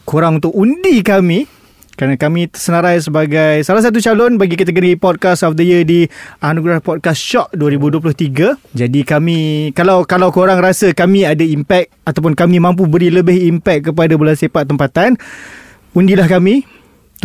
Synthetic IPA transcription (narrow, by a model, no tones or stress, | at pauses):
koɾaŋunt̪ʊkundikamĩ | kəɾanakamĩəsənaɾajs̬əbaɡajsalahs̬at̪̬ut͡ʃalɔnbaɡikat̪əɡəɾipɔt̚kasɔfdəjədianũɡɾahpɔt̚kasʃɔʔ̚duaɾibuduəp̬lʊht̪iɡad͡ʒadikamĩkalawkalawkoɾaŋɾasəkamĩadaimpɛk̚at̪awp̬ʊnkamĩmãmp̬ubəɾiləbɪhimpɛk̪̚ːəp̬adabolansapat̪ːəmpat̪an | undilahkamĩ